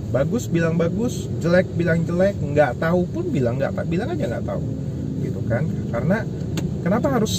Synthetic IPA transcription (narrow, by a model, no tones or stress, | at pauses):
baɡʊsbilaŋbaɡʊs | d͡ʒəlɛk̚bilaŋd͡ʒəlɛk̚ŋɡaʔt̪aupʊnbilaŋːɡa̰ʔt̪abilaŋad͡ʒaŋɡa̰ʔt̪a̰ṵ | ɡit̪ukankaɾəna | kənapaɦaɾʊs